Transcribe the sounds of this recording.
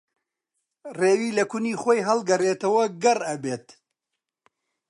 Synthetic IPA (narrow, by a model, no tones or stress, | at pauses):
reːwiːlɐkuʊniːxoːjɦɐlˠɡɐreːt̪ɐwɐɡɐrɐbeːt̪